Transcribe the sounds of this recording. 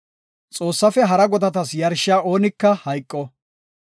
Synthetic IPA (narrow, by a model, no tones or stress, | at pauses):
t͡sʼo̞ːsːɐfɛɦɐɾɐɡɔd̪ɐt̪ɐsjɐɾʃɪaːʔo̞ːnɪkːɐhɐjkʼːɔ